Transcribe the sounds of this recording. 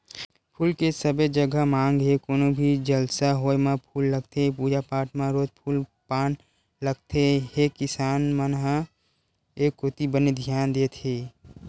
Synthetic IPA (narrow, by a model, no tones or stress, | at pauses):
pʰuːlkesəbed͡ʒəɡamãːŋɡɦekoːnobʱid͡ʒəlsaɦoːemãpʰuːlːəɡ̚t̪ʰepuːd͡ʒapaːʈʰmãɾoːd͡ʒpʰuːlpaːn | ləɡ̚t̪ʰeɦekɪsaːnmənɦə̃ | eːkːot̪ibəned̪ʱjaːnd̪eːt̪ʰɦeː